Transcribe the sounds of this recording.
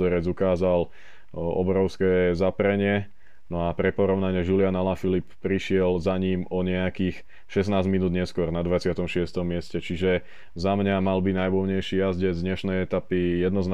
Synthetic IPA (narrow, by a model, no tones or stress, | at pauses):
ɔɾɛd͡zukaːzal | ɔ̰bɾɔʊskɛzapɾɛɲɪɛ | nɔapɾɛpɔɾɔʊnaɲɪɛʒulɪanalafilippɾiʃɪɛlzaɲiːmɔɲɛakiːx | ʃɛs̬naːzminuːd̪ɲɛskʊɔɾnad̪ʋat͡sɪat̪ɔmʃɪɛst̪ɔmːɪɛscɛt͡ʃiʒɛ | zamɲamalbinajʋʊɔɲɛjʃijazɟɛzd̪ɲɛʃnɛjɛt̪apijɛd̪nɔzn